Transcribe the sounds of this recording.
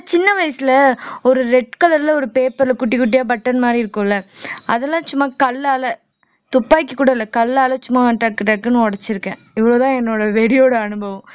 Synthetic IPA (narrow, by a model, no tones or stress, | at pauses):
t͡ʃɪnːɐʋɐjɐsɪlɐɔɾɯɾɛʈ̚kɐlɐɾɪlɐɔɾɯpeːpɐɾɪlɐkʊʈːɪkʊʈ̬ːɪjaːbɐʈːɐnmaːd̪ɾiɪɾɯkːʊ̃ɪlːɐɐðɛlːãːt͡ʃʊmːaːkɐlːaːlɐ | t̪ʊpːaːkːikːuːɽɐɪlːɐkɐlːaːlɐt͡ʃʊmːaːɐɳʈːaːʈkɪʈ̬ːaːɾɯkːɯnːɐ̃ɔɽɐt͡ʃːɪɾɯkːɛ̃ː | ɪʋɐɭoːt̪ãːɛnːoːɽɐʋeɽɪjoːɽɐɐnɯbɐʋɐ̃